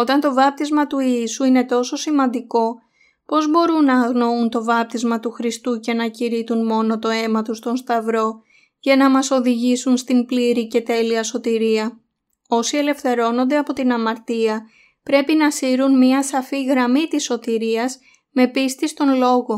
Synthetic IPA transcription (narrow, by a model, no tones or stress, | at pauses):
o̞t̪ɐnt̪o̞vɐp̚t̪izmɐt̪uiisuine̞t̪o̞so̞simɐnd̪iko̞ | po̞zbo̞ɾunːɐːɣno̞unt̪o̞vɐp̚t̪izmɐt̪uxɾist̪ucenɐciɾit̪unmo̞no̞t̪o̞e̞mɐt̪ust̪o̞nst̪ɐvɾo̞ | ʝɐnɐmɐso̞ðiʝisunst̪impliɾice̞t̪e̞liɐso̞t̪iɾiɐ | o̞sie̞le̞fθe̞ɾo̞no̞nd̪e̞ɐpo̞t̪inɐmɐɾt̪iɐ | pɾe̞pinɐsiɾunmiɐsɐfiɣɾɐmit̪isːo̞t̪iɾiɐs | me̞pist̪ist̪o̞nlo̞ɣo̞